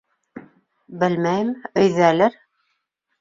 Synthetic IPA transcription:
bɘlmæjɘmɵ̆jðælɘɾ

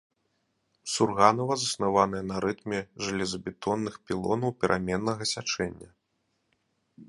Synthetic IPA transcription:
surɣanɐvɐzɐsnavanɨjɐnɐɾɨt̪mʲɛʐɨlʲɛzɐbʲɛt̪ɔnːɨxpʲilˠɔ̰nɐwpʲɛɾʔamʲɛnːɐɣɐsʲat͡ʂɛnʲːɐ

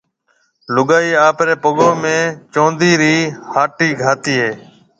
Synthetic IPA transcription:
lʊɠaːiːaːpɾeːpəɠõːmẽːt͡ʃõːnd̪iːɾiːhaːʈiːɡʱaːt̪iːɦeː

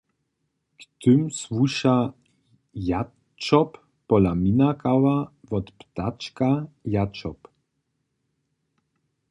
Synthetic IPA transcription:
kt̪ʏmswuʃa | ja | t͡ʃɔpː | ɔlaminakawavɔt̪pt̪at͡ʃkajat͡ʃɔp

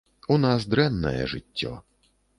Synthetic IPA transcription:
unasd̪ɾɛnːɐ̰jɛ̰ʐɪtʲːɔ̰

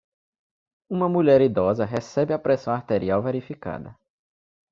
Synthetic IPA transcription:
ũmɐmuʎɛɾid̪ɔzɐɦɛsɛbɪapɾɛsɐ̃w̃aɾt̪eɾiawveɾifika̰d̪ɐ̰

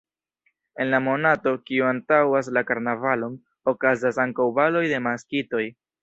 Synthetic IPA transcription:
e̞nlamo̞nato̞kiuantawas̬lakaɾnavalo̞n | o̞kazas̬aŋkawbalo̞jde̞maskito̞j

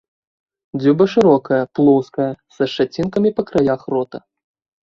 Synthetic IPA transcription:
d͡zʲubɐʂɨɾɔkɐjɐplˠɔskɐjɐsɐʂat͡sʲinkɐmʲipɐkɾajaxrɔt̪ɐ

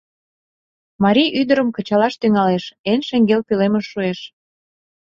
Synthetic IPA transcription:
mɑɾʲijʔyd̪əɾəmkə̆t͡ɕɑlɑʃt̪yŋɑleʃenʃeŋɡelpileməʃːueʃ

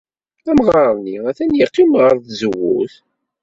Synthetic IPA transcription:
æmʁɑɾˤniæθænjiqːimʁəɾˤθzəwṵθ

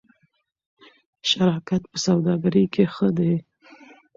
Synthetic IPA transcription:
ʃaɾɑkat̪pəsawd̪ɑɡaɾikʰexəd̪e

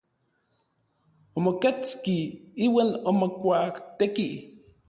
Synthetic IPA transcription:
omoket͡skiiwanomokʷakt̪eki

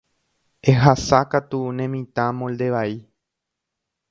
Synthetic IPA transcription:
eɦasakat̪unẽmĩt̪ãmõld̪e̞ʋai

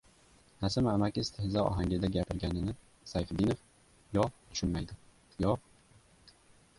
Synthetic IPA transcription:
nasɪmamakʲɪst̪ʰɪhɪzaɒ̰ɦaŋɡʲɪd̪aɡʲapʰɪɾɡʲanɪnɪ | sajfb̪inof | jɒt̪ʰʊ̥ʃʊnmajd̪ɪ | jɒ

